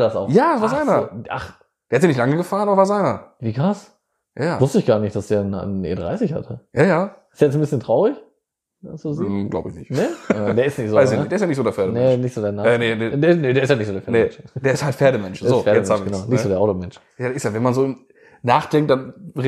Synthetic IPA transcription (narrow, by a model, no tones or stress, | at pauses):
dasaʊxjaːvaːɐzaɪnɐoːʔa̰χ | d̥eːɐhatjanɪçtlaŋəɡəfaːʁənʔabɐvaːɐzaɪnɐviːkʁ̥as | jaːjaːvʊstəɪçɡ̥aːɐnɪçtd̥asd̥eːɐnnḛːdʁa̰ɪsɪçha̰tʰəjaːjaːɪstjajɛt͡ssn̩bɪsçəntʁ̥aʊʁɪç | dasuziɡla̰ʊbəɪçnɪçtnəd̥eːɐɪstnɪçtzoːvaɪzjnɪdeːɐsjanɪçtzoːdeɐfɛɐɾənɛənɪçtz̥oːdeːɐnaːnenedeːnədeːɐɪsthanɪçzoːdeɐfɐemɛnd̥eːɐɪsthaltfeːɐɾəmɛnʃeɐɪosːfeɐɛmaːɡənaʊnɪçzoːdeɐʔaʊtomɛnʃjaːdeɐɪstjavɛnmanzoːɪ | naːχd̥ɛŋk̚t̚d̥anʁ